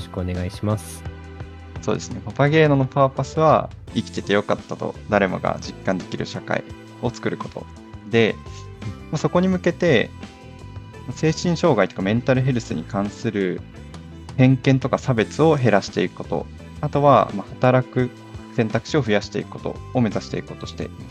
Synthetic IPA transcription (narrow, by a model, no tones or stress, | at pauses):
ɕkɯoneɡaiɕimas | so̞̰ːd̪e̞sɨnepapaɡe̞ːno̞no̞paːpasɨβa̰ikʲi̥t̪e̞t̪e̞jo̞kat̪ːat̪o̞̰d̪aɾe̞mo̞̰ɡa̰d͡ʑikːãnd̪e̞kʲiɾɯ̟̰ɕaka̰ḭ | o̞t͡sɨ̥kɯ̟ɾɯ̟ko̞t̪o̞̰ | d̪e̞ | maso̞ko̞ɲ̟imɯ̟ke̞t̪e̞ | mase̞ːɕĩɰ̃ɕo̞ːɡait̪o̞kamẽ̞nt̪aɾɯ̟ɦe̞ɾɯ̟sɨɲ̟ḭkãɰ̃sɨɾɯ̟ | hẽ̞ŋkẽ̞nt̪o̞kasabe̞t͡sɨo̞ɦe̞ɾaɕi̥t̪e̞ikɯ̟̥ko̞t̪o̞̰ | at̪o̞βa̰mahat̪aɾakɯ̟ | sẽnt̪akɯ̟̥ɕio̞ɸɯ̟jaɕi̥t̪e̞ḭkɯ̟ko̞t̪o̞̰ːme̞zaɕi̥t̪e̞ikɯ̟̥ko̞t̪o̞ɕi̥t̪e̞̰ʔimas